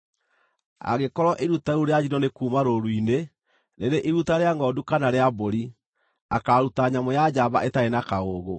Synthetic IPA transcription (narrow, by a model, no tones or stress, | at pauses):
a̰ɣekɔɾɔʔiɾutaɾuɾead͡ʑinɔnekuːmaɾoɾwine | neɾeʔiɾutaɾeaŋɡɔdukanaɾeaboɾi | akaɾutaɲamɔjad͡ʑaβa̰ʔetaenakaoːɣo